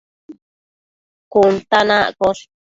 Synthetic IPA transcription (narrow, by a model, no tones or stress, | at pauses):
kunt̪anãʔkoʂ